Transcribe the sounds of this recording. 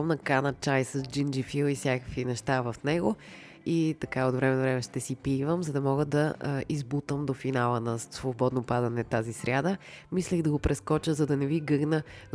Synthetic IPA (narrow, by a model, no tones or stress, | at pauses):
mnɐkanət͡ʃajsəzd͡ʒind͡ʒifilˠifsʲjakəkvinɛʃt̪avɐfnɛɡo | it̪ɐkaod̪vɾɛmɛnvɾɛmɛʃt̪ɛsipivəmzɐd̪ɐmɔɡəd̪ɐizbut̪əmd̪ofinalˠənɐsvobɔd̪nopad̪ɐnɛt̪azisɾʲjad̪əmislɛɣd̪ɐɡopɾɛskɔt͡ʃəzɐd̪ɐnɛviɡɤɡnə